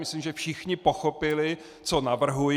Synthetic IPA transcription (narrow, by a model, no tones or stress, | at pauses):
mɪslimʒɛfʃɪxɲɪpoxopɪlɪ | t͡so̞navr̩ɦuj